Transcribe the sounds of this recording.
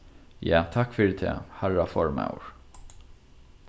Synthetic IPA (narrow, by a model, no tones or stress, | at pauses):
jaːt̪ʰakːfɪːɾɪt̪ʰɛ̰ːhaɹafɔɹma̰wɹ̥